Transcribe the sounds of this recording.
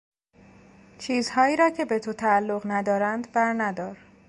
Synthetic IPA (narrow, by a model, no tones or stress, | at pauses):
t͡ʃʰiːzhɒːjiːɾɒːcʰe̞be̞t̪ʰot̪ʰæːlːoɣnæd̪ɒːɾænd̪bæɾnæd̪ɒːɾ